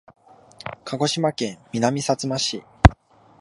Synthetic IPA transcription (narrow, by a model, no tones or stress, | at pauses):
kʰaɡo̞ɕimakẽ̞mːʲinamʲisat͡sɨmaɕḭ